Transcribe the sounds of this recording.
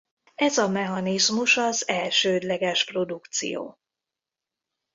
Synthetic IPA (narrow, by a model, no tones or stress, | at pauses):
ɛzɒmɛɦɒnizmuʃɒzɛlʃøːd̪lɛɡɛʃpro̞d̪ukt̪sḭjo̰ː